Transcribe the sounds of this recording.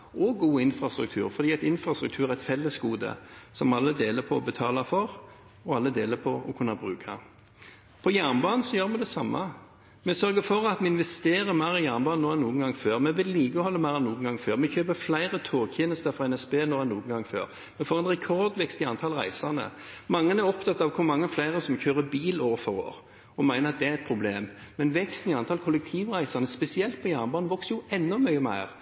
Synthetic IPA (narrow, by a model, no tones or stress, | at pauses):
ɔɡuːɪnfɾɑst̪ɾʉ̰k̚t̪ʰʉ̰ːɾfɔɾd̪iːɛt̪ɪnfɾɑst̪ɾʉk̚t̪ʰʉːɾæʁɛt̪fɛlːəsɡuːd̪ə̰sɔmɑlːəd̪eːləpʰɔɔbət̪ʰɑːlɑfɔɾ | ɔɑlːəd̪eːləpʰɔɔkʰʉnːɑbʁʉːkʰɑ | pʰɔjæʁnbɑːnn̩sɔjøːɾmɛd̪ɛsɑmːɑ | mɛsœɾɡəfɔɾɑt̪mɛɪnʋɛst̪eːɾəmæɪɾɪjænbɑːnoːɛnːuːənɡɑŋføːʁmɛʋɪlːiːɡəhɔlːəmæɪɾɛnːuːɡənɡɑŋːføːʁmɛçøːpəflæɪʁət̪ʰoːçɪnəst̪ɑfʁɑɛnɛsbeːnoːɛnːuːɡənɡɑŋːfø̰ːɾ | mɛfoːɾɛnɾɛkʰɔɾd̪ʋɛkst̪ɪɑnt̪ʰɑlʁæɪsənə̰mɑŋːənæɾɔpt̪ɑt̪ːɑʋkʰʊɾmɑŋːəflæɪɾəsɔmçøːɾəbiːloːʋəfɔɾo̰ːɾ | ɔmæɪnəɾɑt̪̚d̪ɛæɾɛt̪̚pʰɾʊbleːmmɛnʋɛkst̪n̩ɪɑnt̪ʰɑlkʰʊlːɛk̚t̪ʰiːʋʁæɪsɑnəspɛsɪɛlt̪̚pʰɔjæːʁnbɑːnʋɔksəjʊɛnːɔmœʏəmæ̰ɪʁ